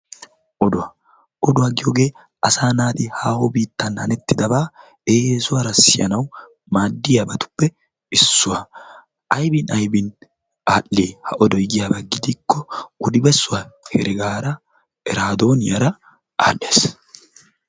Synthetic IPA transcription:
ʔɔd̪ʊɐ | ʔɔd̪ʊwaɡɪjoːɡe̞ː | ʔɐsaːnaːd̪ɪhaːhobiːt̪ːɐnhɐ̰nɛt̪ːɪd̪ɐbaː | eːesʊwaɾɐsɪjɐ̰nɐw | maːd̪ːɪjabɐt̪ʊ̥pːɛ | ɪsːʊwa | ʔɐjbɪnɐjbɪn | aːlːeːhɐʔɔd̪ɔjɡɪjabɐɡɪd̪ɪkːɔʊd̪ɪbɛsːʊwahɛ̰ɾɛɡaːɾɐ | ɛɾaːd̪o̞ːnɪjɐɾɐ | a̰ːlːeːs

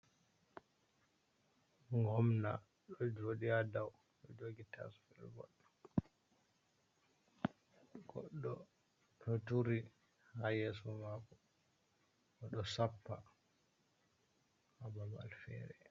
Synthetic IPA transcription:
ŋɡɔmna̰ | ɗɔd͡ʒoɗiadaw | ɗɔd͡ʒoɡitʰa̰sfilɡɔ̰l | ɡɔ̰ɗːɔ | tʰɔtuɾi | hajeːsumakɔ | ɔɗɔsapːa | habama̰lfɛ̰ɾɛ

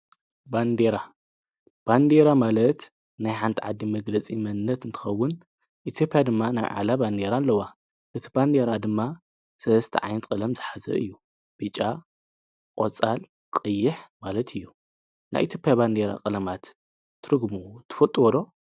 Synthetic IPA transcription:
band̪eɾa | b̥and̪eɾamalɐt̪ | najħant̪ʰiʕad̪ːimɐɡlɐt͡sʼimɐnɨnːɐt̪ɨnt̪ʰɨ̥xɐwːʊn | ʔit̪ʰjo̞pʼjad̪ɨmːana̰jʕa̰laband̪eɾalːɐwa | ʔɨt̪ʰiband̪eɾad̪ɨmːa | sɐlɐst̪ʰḭʕa̰jnɨt̪kʼɨlɐmzɨħazɐ̰ʔɨjːu | b̥ɨt͡ʃʼa | kʼo̰t͡sʼal | kʼɨjːɪħmalɐt̪ʰɨjːu | nʔa̰jʔit̪jo̞pʼjaband̪eɾa̰kʼɨlɐmat̪ʰː | ɨɾɨɡmut̪ʰɨ̥fɐt̪ʼwɔd̪o̞

